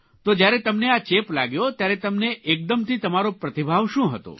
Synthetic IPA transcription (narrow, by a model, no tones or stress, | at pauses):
t̪od͡ʒjaɾɛt̪əmneat͡ʃepla̰ɡjot̪jaɾɛt̪əmneʔek̚d̪əmt̪it̪əmaɾopɾət̪ibʱaʋʃũɦə̰t̪o̰